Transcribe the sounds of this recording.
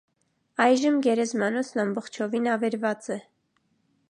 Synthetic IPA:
ɑjʒəmɡɛɾɛzmɑnɔt͡sʰnɑmbɔχt͡ʃʰɔvinɑvɛɾvɑt͡sɛ

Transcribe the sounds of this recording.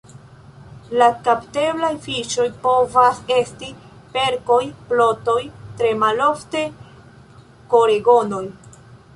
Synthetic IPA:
lakapte̞blajfiʃo̞jpo̞vase̞sti | pe̞ɾko̞jplo̞to̞jtɾe̞malo̞fte̞ | ko̞ɾeɡo̞no̞j

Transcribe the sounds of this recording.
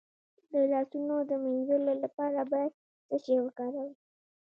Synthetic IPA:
d̪əlɑsunod̪əminzəlolapɑɾabɑjad̪̚ | səʃewəkɑɾawi

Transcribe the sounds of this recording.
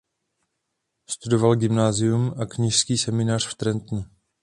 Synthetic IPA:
st̪udo̞valɡɪmnaːzɪjumʔakɲiʃskiːsɛmɪnaːr̝̥ft̪ɾɛnt̪nu

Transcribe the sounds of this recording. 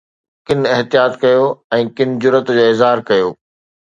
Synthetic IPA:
kɪnɪɦt̪ijaːt̪kɐjoɛ̃ːkɪnɪd͡ʑʊɾət̪d͡ʑoːɪzɦaːɾkɐjoː

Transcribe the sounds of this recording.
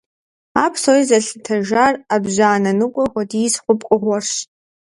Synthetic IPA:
apʰsoizɐɬɨtʰɐʒarabʑaːnɐnɨkʷʼɔχʷɔdisχʷʊpʼkʷʼʊχʷɔrʂ

